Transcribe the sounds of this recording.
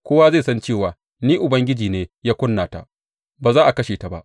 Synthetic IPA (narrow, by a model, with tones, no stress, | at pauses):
kʷoː˦wa˦ze˦˨sɐ˦nt͡ʃeː˦˨waː˨ | niː˦ʔʊ˨bɐ˦ŋɡʲɪ˦d͡ʒiː˨neː˦jaː˦kʷʊ˦nːaː˨ta̰˨ʔ | baː˨zaː˦ʔa˨kɐ˦ʃeː˨ta˨ba̰˦ʔ